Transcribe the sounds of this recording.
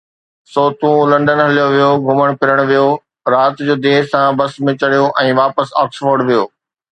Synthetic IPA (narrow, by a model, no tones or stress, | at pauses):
soːt̪ũlɐ̃ɳɖənɦɐlijoʋijoɡʱʊməɽ̃pɪɾəɽ̃ʋijo | ɾaːt̪d͡ʑoːd̪eːɦsãbɐsmẽt͡ɕɐɽ̤ijoʔɛ̃ːʋaːpəsaːksfoːɾɖʋijoː